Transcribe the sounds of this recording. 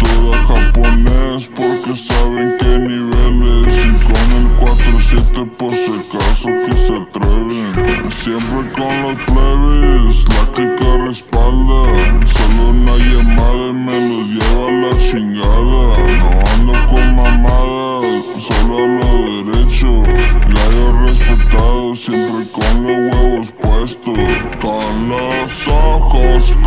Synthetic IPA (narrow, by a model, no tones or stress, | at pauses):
soɣaxaponespoɾkesaβeŋkejniβelesikomeŋkwat̪ɾosjet̪epoɾsekasokeset̪ɾeβeŋsjempɾekonlospleβeslakikarespald̪asolounaʝemaðaemenozjeβalat͡ʃiŋɡaðanoand̪okonmamaða | soloaloðeɾet͡ʃoajorespet̪aðosjempɾekonlozweβospwest̪oskonlasaxosk